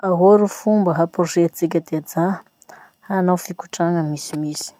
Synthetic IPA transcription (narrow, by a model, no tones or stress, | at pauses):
aɦoɾufumbəɦaproʃet͡sik̬ʲəd̪ead͡za | hanawfiku̥ʈ͡ʂaŋəmisimisi̥